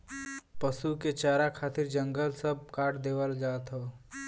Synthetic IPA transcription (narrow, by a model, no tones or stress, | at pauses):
pəsuket͡ʃaːɾakʰaːt̪ɪɾd͡ʒə̃ŋɡəlsəb̚kaːʈd̪eːwəld͡ʒaːt̪ɦoː